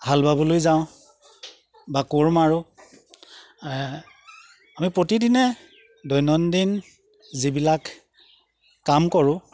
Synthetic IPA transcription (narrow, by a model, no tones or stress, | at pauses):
halbabɔlojzaʊ̃ | bakoɹmaɹʊ | amipɹotidinɛ | dɔjnɔndin | zibilak | amkɔɹʊ̃